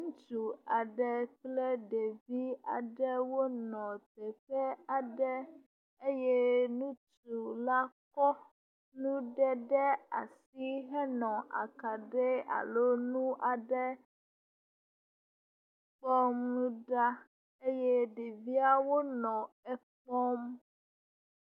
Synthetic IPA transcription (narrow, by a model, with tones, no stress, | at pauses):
ŋũ˦t͡ʃu˨a˨ɖɛ˦k͡plɛ˦ɖe˨vi˦a̰˨ɖɛ˦wo˦nɔ̃˨t̪ɛ˨t̪ɛ˦a˨ɖɛ˦ | e˦jɛ˦nũ˦t͡ʃu˨la˦kɔ˦ | nũ˦ɖɛ˦ɖɛ˦a̰˨si˦ɦɛ˦nɔ̃˨ʔa̰˨ka˨ɖɛ˦a̰˨lo˦nũ˦ʔa˨ɖɛ˦ | k͡pɔ˦mnũ˦ɖa˦ | e˦je˦ɖe˨vi˦a˦wo˦nɔ̃˨ | ɛ˦k͡pɔ˦m